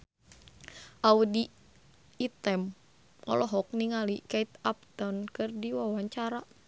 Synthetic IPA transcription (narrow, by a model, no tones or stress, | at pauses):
ʔaudiː | t̪ɛm | ɔ̰lɔɦɔk̚niŋalikait̪ap̚t̪ɔnkɨrdiwawaɲt͡ʃaɾa